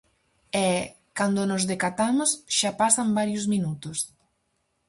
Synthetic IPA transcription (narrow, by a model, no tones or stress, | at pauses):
ɛ | kand̪ʊnozðekat̪amʊsʃapasambaɾjʊzmĩnut̪ʊs